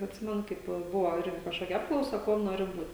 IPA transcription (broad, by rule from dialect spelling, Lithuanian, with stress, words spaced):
ɐtʲˈsʲɪmʲɛnʊ ˈkɐɪp ˈbʊʋoː ˈɪrʲɡʲɪ kɐʃˈkoːkʲɛ ˈɑːpklˠɐʊsɐ ˈkuɔm ˈnoːrʲɪ ˈbuːtʲ